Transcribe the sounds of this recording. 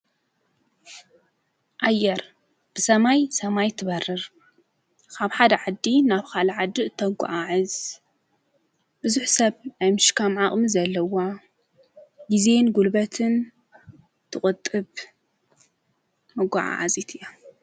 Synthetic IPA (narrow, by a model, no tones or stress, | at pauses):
ʔajːɛɾ | b̥ɨsɐmajsɐmajt̪ʰɨβɐrɨɾ | kʰaβħad̪ɐʕad̪ːinaβkʰalaʕad̪ːɨʔɨt̪ʰːɐɡʷa̰ʔaʕɨz | b̥ɨzuħsɐβnajmɨʃkʰamʕaχʼmizɐlːɐwa | ɡize̞nɡulbɐt̪ʰɨn | t̪ʰɨχʼɨt̪ʼːɨβ | mɐɡʷa̰ʕa̰ʕa̰zit̪ʰɨjːa